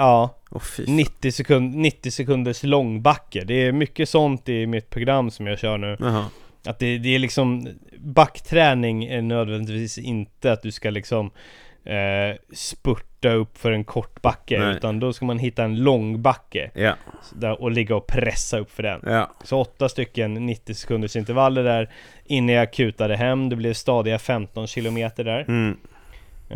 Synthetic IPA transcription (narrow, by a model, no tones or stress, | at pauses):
ɑːfnɪt̪ːɪsɛkʰɵnd̪nɪt̪ːɪsɛkʰɵnd̪əʂlɔŋːbakːəd̪ɛːɾmʏkːəsɔnt̪ɪmɪt̪̚pʰɾʊɡɾamːsɔmjɑɡɕœːɳʉ̟ːʔat̪̚d̪ɛd̪ɛːɭɪksɔmbakːt̪ʰɾɛːnɪŋæɳøːd̪vɛnd̪ɪt̪vviːsɪnt̪əat̪̚d̪ɵskalɪksɔm | spɵʈːaɵpːfœɾɛnkʰɔʈːbakːəʉ̟ːt̪and̪ɔskamanɦɪt̪ːaɛnlɔŋbakːə̰ | d̪æʔɔlɪɡːaɔpʰɾɛsːaɵpːfœɖɛ̰nsɔɔt̪ːast̪ʏkːənːɪt̪ːɪsɛ̥kʰɵnd̪əʂɪnt̪əɾvalːəɖ̪æɾ | ɪnːanjakʰʉ̟ːt̪ad̪əɦɛmːd̪ɛblɛvst̪ɑːd̪ɪɡafɛmt̪ɔnɕɪlʊmeːt̪əɖæɾ